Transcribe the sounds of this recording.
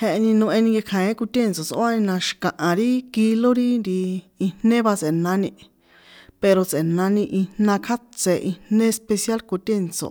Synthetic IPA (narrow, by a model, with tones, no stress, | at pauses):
he˧ʔe˧nĩ˧nũ˧ʔẽ˧nĩ˧ŋɡe˧kʰã˨ẽ˦ku˧t̪ʲe˦˨nt͡so˨t͡sʔo˦a˦nĩ˧nã˧ʃi̥˨kã˨ʔã˨ɾi˦ki˧lo˦ɾi˦nɾi˧i˧nnnẽ˦βa˧t͡se˨nã˧˦nĩ˧ | pe˧ɾo˧t͡se˨nã˧˦nĩ˧ʔi˧nnã˧kʰa˦t͡se˧ʔi˧nnẽ˦e˧spe˧sja˦lku˧t̪ʲe˦˨nt͡so̰˨